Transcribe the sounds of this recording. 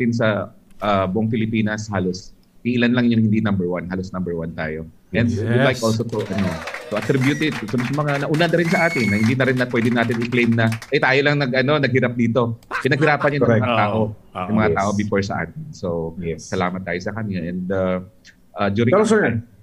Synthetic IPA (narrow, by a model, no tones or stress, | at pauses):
t̪ɪns̬ɐʔabʊʔoŋfɪlɪpiːnɐshaːlos | iʔɪlanlɐŋjʊŋhɪnd̪inɐmbɛɹwanhaːlosnɐmbɛɹwant̪a̰ːjo̞ | ɛ̃nd̪jilajkʔols̬ot̪uʔɐnot̪ʊʔɐt̪ɾɪbjʊt̪ɪt̪̚ːsɐmsɐmɐŋanɐʔʊnanɐɾɪnsɐʔaːt̪ɪnːɐhɪnd̪inɐɾɪnːɐpwɛːd̪ɪnaːt̪ɪnɪklejmnɐʔɐjt̪aːjolɐŋnɐɡʔɐno̞nɐɡ̚hɪɾap̚d̪iːt̪o̞kɪnɐɡ̚ɦɪɾaːpɐnɲɐnmɛɐŋɐt̪aːʔoɐŋmɐŋɐt̪aːʔo̞bɪfoɹsɐʔa̰ːt̪ɪnsowɛsɐla̰ːmɐt̪̚ːaːjosɐkɐnaʔɛnd̪a | ʔad̪uːɾɪ̃osɛ